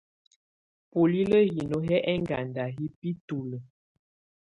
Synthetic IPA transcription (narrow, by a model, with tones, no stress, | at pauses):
po˨li˦lə˦ɣi˨no˨ɦɛ˦ʔɛ˦ŋɡa˨nda˨ɦi˦pi˦tu˨lə˨